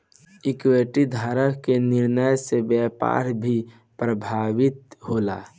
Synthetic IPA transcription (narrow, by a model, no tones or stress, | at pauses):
ɪkweːʈid̪ʱaːɾəkkenɪɾnəjsebjɛːpa̰ːɾbʱi | pɾəbʱaːʋɪt̪̚ɦoːla̰ː